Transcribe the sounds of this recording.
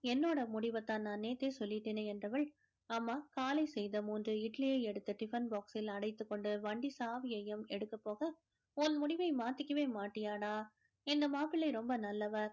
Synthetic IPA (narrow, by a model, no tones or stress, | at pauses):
ɛnːoːɽɐmʊɽɪʋɐt̪ːãːnnaːneːt̪ːeːsɔlːɪʈːeːneːɛndrɐʋɐɭ | aːmːaːkaːlɐɪsɛjðɐmuːndrɯɪʈlɪjeːɛɽɯt̪ːɯʈɪfɐnbaːksɪlɐɽɐɪt̪ːɯkːɔɳɖɯʋɐɳɖisaːʋɪjɐjɐmɛɽɯkːɐpːoːɣɐ | ɔnmʊɽɪʋɐɪmaːt̪ːɪkʲːɐʋeːmaːʈːɪjaːnaː | ɪnd̪ɐmaːpɪɭɐɪɾɔmbɐnɐlːɐʋɐɾ